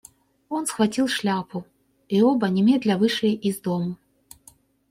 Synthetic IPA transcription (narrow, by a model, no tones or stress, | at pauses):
ɔnsxvat͡sʲilˠʂlʲapu | iɔbɐnʲɛmʲɛd̪lʲɐvɨʂɨjʔizd̪ɔmu